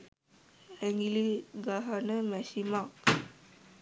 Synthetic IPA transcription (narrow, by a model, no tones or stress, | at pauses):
ɛŋɡiliɡaɦanəmɛsimak